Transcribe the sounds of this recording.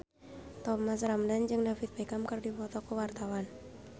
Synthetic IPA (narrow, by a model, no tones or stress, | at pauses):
t̪ɔmasramdand͡ʒɨŋdafit̪̚pɛkamkərdipɔt̪ɔkəwart̪awan